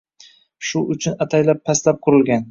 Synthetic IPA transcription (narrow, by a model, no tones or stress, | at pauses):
ʃʊʔʊt͡ʃʰʊnat̪ʰajlapʰːaslap̚qʰʊɾɪlɡʲan